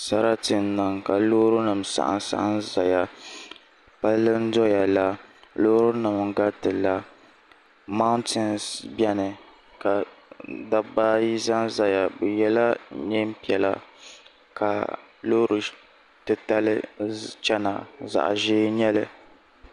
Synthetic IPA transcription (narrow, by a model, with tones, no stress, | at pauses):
sa˦ɾa˦tɨ˨n˦nɨ˨ŋka˨lo˦ɾʊ˦nɨ˨msa̰˨ʔa̰˨nsa̰˦ʔa˦nza˨ja˨ | pa˦lɨ˦n̩˦dɔ˦ja˨la˨loː˦ɾʊ˦nɨ˨m˨ɡa˦tɨ˨la˨ | ma˦ʊ˦ntɪ˦nsbɛ˦nɨ˨ | ka˨da˦ba˦ji˦za˦n˦za˨ja˨bɛ˨jɛ˦la˦ɲɛ˦m̩˦pi˨˦ɛ˨la̰˨ | kʰa˨lo˦ɾɨ˨ | tɨ˨ta˦lɨ˦t͡ʃɛ˦na̰˨za̰˨ʔʒe˦ɲɛ˦lɨ˦